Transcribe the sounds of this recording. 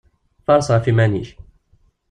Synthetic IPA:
fɑɾˤsˤɑfimænḭʃ

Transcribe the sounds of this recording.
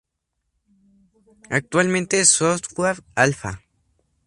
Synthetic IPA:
ak̚t̪ualment̪esost̪kwaɾalfa̰

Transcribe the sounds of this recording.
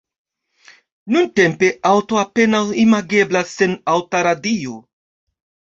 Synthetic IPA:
nunte̞mpe̞ʔawto̞ape̞nawimaɡe̞blasːe̞nawtaɾadio̞

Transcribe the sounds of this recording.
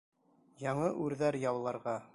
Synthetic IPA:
jɑɴɤʔʉɾðæɾjɑwlˠɑɾʁɑ

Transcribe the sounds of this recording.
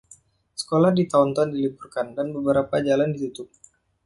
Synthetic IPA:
sə̥kolahdit̪aɔnt̪ɔndilipurkandanbəbəɾapad͡ʒalandit̪ut̪ʊp̚

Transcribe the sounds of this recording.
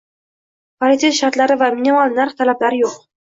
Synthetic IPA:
pʰolit̪eʃaɾt̪laɾɪvaminimalˠnaɾχt̪ʰalaplaɾɪjoq

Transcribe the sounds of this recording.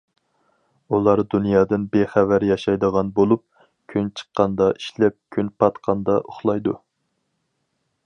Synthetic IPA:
ulˠɑɾd̪unjɑːd̪ɨnbeχævæɾjɑʃɑjd̪əʁɑnbolˠup̚ | kʲʰynt͡ʃʰə̥qːɑnd̪ɑʔiʃlɛp̚kʲʰynpʰɑt̪qʰɑnd̪ɑʔoχlˠɑjd̪ṵ

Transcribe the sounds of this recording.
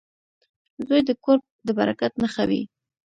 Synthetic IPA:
zojd̪əkoɾb̚d̪əbaɾakat̪naxawḭ

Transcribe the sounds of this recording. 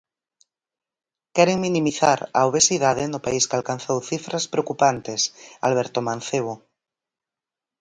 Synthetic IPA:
kɛɾeŋminĩmiθaɾaoβ̞esið̞að̞enopaiskalkanθowθifɾaspɾeokupant̪esa̰lβɛɾt̪omãnθeβ̞o

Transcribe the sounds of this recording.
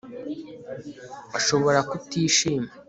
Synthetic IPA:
aʃo̞βo̞ɾakutiːʃiːma

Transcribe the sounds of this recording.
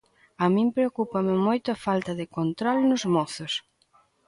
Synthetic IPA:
ɐmĩmpɾeokupɐmɪmojt̪ʊɐafalt̪ɐðɪkont̪ɾɔlnʊzmɔθʊs

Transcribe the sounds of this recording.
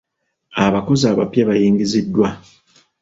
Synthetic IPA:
aβako̞zaːβa̰pjaβajiːŋɡizidːwa

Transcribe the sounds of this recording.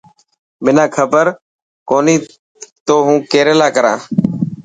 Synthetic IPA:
mɪnãːkʰəbəɾ | koːniː | t̪oːɦũːkeːɾeːlaːkəɾãː

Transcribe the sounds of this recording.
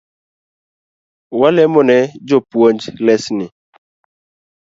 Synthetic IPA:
walɛmɔnɛd͡ʒopwond͡ʒlɛsnɪ

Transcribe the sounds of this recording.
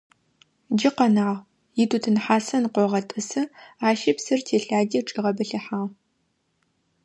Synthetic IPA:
d͡ʒɪqɐnaːʁ | jɪtʰutʰɨnħaːsɐnqʷɔʁɐtʼɨsɨaːʃɪpsɨrtʰeːɬaːɡʲiʈ͡ʂʼiʁɐbɨɬɐħaːʁ

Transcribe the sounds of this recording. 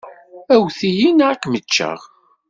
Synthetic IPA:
æwθijinʕakmət͡ʃːə̰ʁ

